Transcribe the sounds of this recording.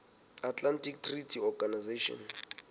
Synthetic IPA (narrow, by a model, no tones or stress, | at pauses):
atlantik̚tʰritʰiɔɡanizeʃɔ̰n